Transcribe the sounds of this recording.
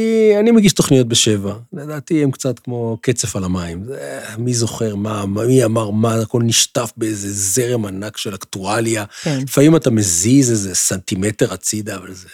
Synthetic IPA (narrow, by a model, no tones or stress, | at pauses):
ianimeɡiʃto̞χnijo̞t̚beʃe̞vanadaːt̪iemkt͡sat̪kmo̞ke̞t͡se̞falamaimzemizo̞χe̞ʁmaamiamaʁmaako̞lniʃtafbeeze̞ze̞ʁemanakʃe̞laktualjaefaimatame̞zizezesantime̞te̞ʁat͡sid̪aːvalze